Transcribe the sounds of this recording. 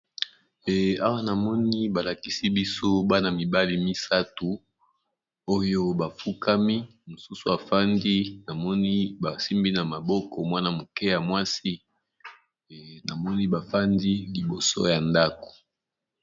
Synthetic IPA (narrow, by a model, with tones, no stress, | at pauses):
a˦wa˦na˨mɔ˦ni˦ba˨la˨ki˦si˦bi˦so˦ba˦na˨mi˨ba˦li˨mi˦sa˦tu˨ | o˦jo˦ba˨fu˦ka˦mi˦mo˨su˦su˦a˨fa˦ndi˦na˨mɔ˦ni˦ba˨si˦mbi˦na˨ma˨bɔ˦kɔ˨mwa˦na˨mo˨kɛ˦ja˨mwa˦si˦˨ | na˨mɔ˦ni˦ba˨fa˦ndi˦li˨bo˨so̰˦ja˨nda˦ko̥˨